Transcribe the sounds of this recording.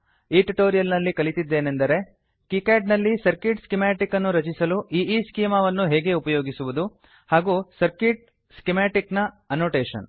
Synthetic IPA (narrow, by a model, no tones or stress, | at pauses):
iːʈuʈoːɾijɐlnɐlːikɐɭit̪id̪ːeːnend̪ɐɾe̞ | kikaːɖnɐlːisɐɾkiʈskimaːʈikɐnːuɾɐt͡ʃisɐluʔiːʔiːskiːmɐʋɐnːuɦeːɡe̞upɐjo̞ːɡisuʋud̪u | haːɡusɐɾkiʈ̚ | skimaːʈiknɐ | ɐnoːʈeːʂɐ̰n